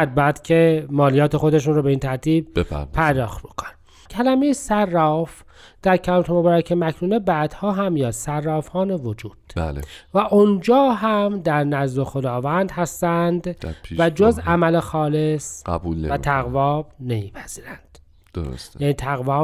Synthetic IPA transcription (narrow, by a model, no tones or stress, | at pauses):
d̪̚bæjæd̪̥cʰemɒːlijɒːt̪ʰexod̪e̞ʃ̬uːnɾobe̞int̪ʰæɾt̪ʰiːb̥̚bepæ̰pʰæɾd̪ɒːxt̪̚bokʰon | cʰælæme̞jesærːɒːf | d̪̥æɾcʰæt̪ʰomobɒːɾæcʰemækʰɾuːnebæːd̪hɒːɦæmːjɒːsærːɒːfhɒːnevod͡ʒuːd̪̥bæ̰lḛvæʔond͡ʒɒːɦæmd̪æɾnæzloxo̞d̪ɒːvænd̪hæst̪ænd̪væd͡ʒozæmælexɒːle̞sæ̰bul̰væt̪ʰæɣvɒːbne̞miːpʰæz̥iːɾænd̪̥ | d̥̪oɾo̰sjæniːt̪ʰæɣvɒː